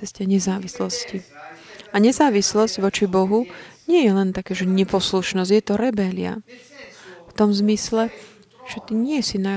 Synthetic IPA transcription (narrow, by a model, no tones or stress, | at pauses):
ɛscɛɲɛzaːʋislɔsci | aɲɛzaːʋislɔzɟʋɔt͡ʃibɔɦuɲɪɛjɛlɛnt̪akaːʒɛɲɛpɔsluʃnɔzɟjɛt̪ɔɾɛbɛlɪa̰ | ft̪ɔmzmislɛ | ʒ̥ɛt̪iɲɪɛsina